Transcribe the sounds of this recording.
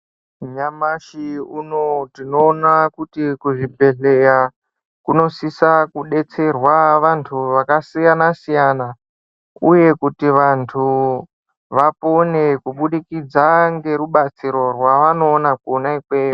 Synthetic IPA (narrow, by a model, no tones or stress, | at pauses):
ɲamaʃiunotino̞ːnakutikuʐibʱe̞ɮe̞ja | kuno̞sisakuɗe̞t͡se̞rwaʋantʰuʋakasijanasijana | uje̞kutiʋantʰu | ʋapo̞nekuɓuɗikid͡zaŋɡe̞ɾuɓat͡siɾo̞rwaʋano̞ːnak̚uonaikweːo